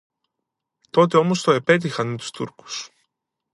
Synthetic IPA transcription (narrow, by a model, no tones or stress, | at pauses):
t̪o̞t̪̬e̞o̞mo̞st̪o̞e̞pe̞t̪̬ixɐnmet̪u̥st̪ṵɾku̥s